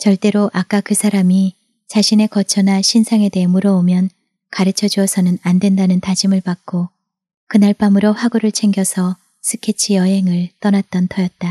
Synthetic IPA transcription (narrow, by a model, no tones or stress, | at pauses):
t͡ɕʌɭt͈e̞ɾoʔak͈akɯsʰaɾami | t͡ɕaɕʰine̞kʌt͡ɕʰʌnaɕʰinsʰaŋe̞de̞ɦemuɾʌomjʌn | kaɾɯt͡ɕʰʌd͡ʑuʌsʰʌnɯnandwe̞ndanɯntad͡ʑimɯɭpak̚k͈o | kɯnaɭp͈amɯɾoɸwaɡuɾɯɭt͡ɕʰe̞ŋɡjʌsʰʌ | sʰɯkʰet͡ɕʰijʌɦe̞ŋɯɭt͈ʌnat̚t͈ʌntʰʌjʌt̚t͈a